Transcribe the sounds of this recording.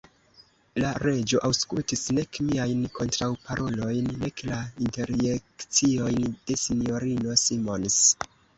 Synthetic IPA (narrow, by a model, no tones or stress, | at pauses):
laɾe̞d͡ʒo̞ʔawskultisne̞kmiajnkʰo̞ntɾawpaɾʔo̞lo̞jnːe̞klainte̞ɾjekt͡sio̞jnd̥e̞sinjo̞ɾino̞simo̞ns